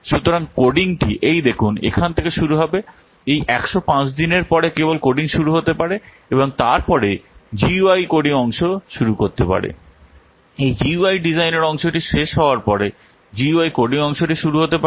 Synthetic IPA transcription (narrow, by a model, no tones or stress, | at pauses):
ʃut̪oɾaŋkoɖiŋʈiʔejd̪ekʰunḛkʰant̪ʰekeʃuɾuɦɔbe | ejʔɛkʃopãt͡ɕd̪ineɾpɔɾekebolkoɖiŋʃuɾuɦot̪epaɾe | eboŋt̪aɾpɔɾed͡ʑiuajkoɖiŋɔŋʃoʃuɾukoɾt̪epa̰ɾḛ | ejd͡ʑiuajɖid͡ʑajneɾɔŋʃoʈiʃeʃɦɔoaɾpɔɾe | d͡ʑiuajkoɖiŋɔŋʃoʈiʃuɾuɦot̪epa